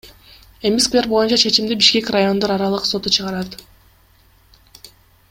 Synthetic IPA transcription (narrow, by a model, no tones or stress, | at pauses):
emʲiskvʲe̞rbo̞junt͡ʃɑt͡ʃʰe̞t͡ʃimd̪ibiʃkʲe̞kʲrajo̞nd̪oɾɑɾɑlˠɯqso̞t̪ut͡ʃʰɯʁɑɾɑt̪